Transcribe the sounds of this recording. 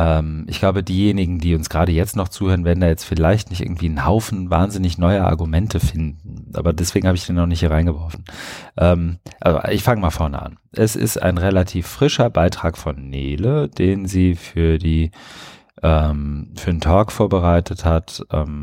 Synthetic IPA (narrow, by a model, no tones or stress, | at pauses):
ʔɛːmʔɪçɡ̥laʊbədiːjeːnɪɡŋ̩diːʊnsɡ̥ʁaːɾəjɛt͡stnɔχt͡suːhøːʁənveːɐdn̩daːjɛt͡stfɪlaɪçtnɪçtɪ̰ɐɡŋ̩tv̥iːnhaʊfn̩va̰ːɐnzɪnɪçnɔʏɐʔa̰ɐɡumɛntʰəfɪndn̩ʔa̰ːbɐdɛsv̥eːɡŋ̩haːbəɪçd̥eːnːɔχnɪçthiːɐʁaɪnɡəvɔɐfn̩ʔɛːmʔa̰lzo̰ʔɪçfaŋəmaːlfɔɐnə̰ʔa̰n | ʔɛsɪ̰sta̰ɪnʁelatʰiːfʁ̥ɪʃɐbaɪtʁ̥aːkfɔnːeːləd̥eːnziːfyːɐdiː | ʔɛːmfyːɐdentʰɔːkfoːɐbəʁaɪtʰəthatʔɛ̰ːm